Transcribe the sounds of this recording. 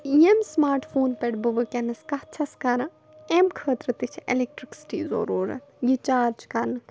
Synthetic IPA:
ijemsmaːɾʈʰfʰoːnpeɽbɨʋɨkʲenɐskɐht͡ʃʰɐskɐɾɨ | emkʰəːt̪ɾɨt̪it͡ʃʰḛlek̚ʈɾiksi̥ʈiːzo̰ɾuːɾɐ̰jit͡ʃaːɾd͡ʒkɐɾnɨ

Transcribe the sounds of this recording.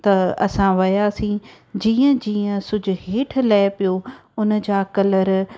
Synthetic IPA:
t̪ɐɐ̰sãʋɐjaːsĩː | d͡ʑĩːə̃d͡ʑiːə̃sʊd͡ʑʱʊ̆ɦeːʈʰlɛːɪpijoʊn̆d͡ʑaːkɐləɾ

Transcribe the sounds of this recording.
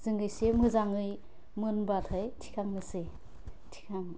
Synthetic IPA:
z̥ɯŋɡɯjsemɯzaŋɯj | mɯnbatʰɯjtʰi̥kʰaŋnɯse | tʰi̥kʰaŋ

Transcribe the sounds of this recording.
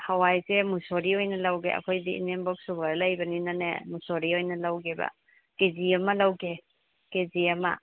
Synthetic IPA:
hawajsemusoɾiojnɐlawɡḛɐ̰kʰojdiḭnembok̚subaɾɐlajbɐninanḛmusoɾiojnɐlawɡebɐ̰ | ked͡ʒiɐmɐlawɡe | ked͡ʒiɐmɐ̰

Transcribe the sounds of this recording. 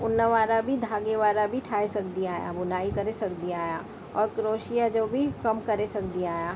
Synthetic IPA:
ʊnːəʋaːɾabʱid̪ʱaːɡeʋaːɾabʱiʈʰaːesɐkd̪iaːja̰bʊnaːikɐɾesɐkd̪iaːja̰ː | ɔːɾkɾoːʃijad͡ʒoːbʱikɐmkɐɾesɐkd̪iaːjaː

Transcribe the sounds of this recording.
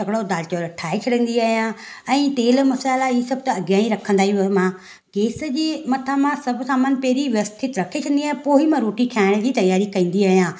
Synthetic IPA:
ɐɡɽod̪aːlt͡ɕoɾɐʈʰaːet͡ɕʰɐɽə̃nd̪iaːɦijãɛ̃ːt̪eːlmɐsaːlaisɐb̚ʱt̪ɐɐɡjãːĩɾɐkʰə̃nd̪aːɦimã | keːsə̆d͡ʑiːmɐt̪ʰamãsɐbʱsaːmənpeːɾiʋjəst̪ʰɪt̪ɾɐkʰet͡ɕʰɐ̃nd̪iaːẽpoːɦimãɾoːʈikʰjaːɪɽ̃d͡ʑiːt̪ɐjaːɾikɐ̃ĩːn̆d̪iaːɦijãː

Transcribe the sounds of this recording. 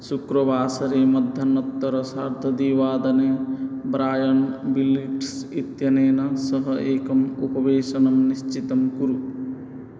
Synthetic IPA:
sukɾɐbʱaːsɐɾeːmɐd̪ʱjɐnɐt̪ːɐɾɐsaːɾd̪ʱɐd̪iʋaːd̪ɐneːbɾaːjɐnbiliʈsit̪jɐneːnɐsɐɦɐʔeːkɐmupɐʋeːʃɐnɐmniʃt͡ʃit̪ɐmkuɾu

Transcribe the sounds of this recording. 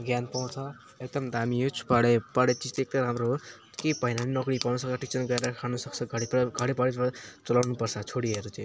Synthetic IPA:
ɡjanpaw̃t͡sʰʌ | ek̚d̪ʌmd̪amiot͡sʰu̥paɽepaɽet͡sid͡zt̪eek̚t̪ʌɾamroɦo | kepʌinʌninʌkɽipawnusʌk̚t͡sʰʌʈik̚t͡sʌnɡʌeɾʌkʰanusʌk̚t͡sʰʌɡʱʌɽipɡʱʌɽepaɽet̪at͡sʌlawnupʌrt͡sʰʌt͡sʰoɽiʌɾut͡sã

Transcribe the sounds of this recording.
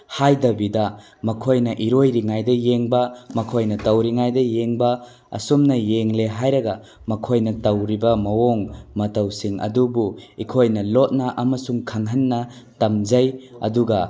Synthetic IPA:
hajdɐbidɐ | mɐkʰojnɐʔiɾojɾiŋajdɐjeŋbɐmɐkʰojnɐtɐwɾiŋajdɐjeŋbɐ | ɐ̰sumnɐjeŋleɦajɾɐɡɐ | mɐkʰojnɐtɐwɾibɐmɐwoŋmɐtɐwsiŋʔɐ̰dubuikʰojnɐlot̚nɐʔɐmɐsuŋkʰaŋɦɐnːɐtɐmd͡ʒɐjɐ̰duɡɐ

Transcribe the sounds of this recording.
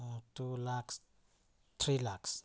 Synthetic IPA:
tulaks | t̪ʰɾilaks

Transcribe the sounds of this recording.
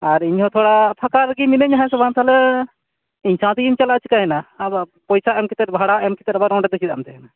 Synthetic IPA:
aɾiɲhɔ̃t̪ʰɔɽapʰakaɾɡiminəɲɦãsɔbãnt̪ʰlɛ | iɲsãt̪iimt͡ʃalaʔt͡ʃʰi̥kaɦɛnabapɔjsaɛmkit̪ɛɾ̚bʱaɽaɛmkit̪ɛɾbaɾɔ̃ɳɖɛd̪ɛsʰid̪a̰mt̪ʰɛɦɛna

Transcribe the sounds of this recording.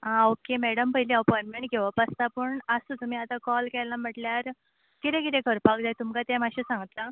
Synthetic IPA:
aokemɛɽəmpəɦiliəpɔjnmeɳʈɡʱeʋapəst̪apəɳəsut̪um̤iːat̪ãkɔlkɛlam̤əʈljaɾ | kit̪ɛ̃kit̪ẽkəɾpakd͡zajt̪umkat̪ɛ̃maɕisãŋɡət̪la

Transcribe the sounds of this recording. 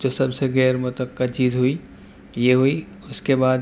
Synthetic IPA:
d͡ʒoːsɐbseɣɛːɾmʊt̪əkːət̪t͡ʃiːzɦui | jeɦui | ʊskebaːd̪

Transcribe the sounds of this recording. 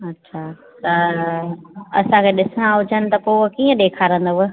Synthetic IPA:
ɐtːɕʰa | t̪ɐ | ɐsãkʰeɗɪsɽ̃ãɦʊd͡ʑənɪ̆t̪ɐpoːkiːə̃ɗ̪eːkʰaːɾə̃nd̪oʋʊ

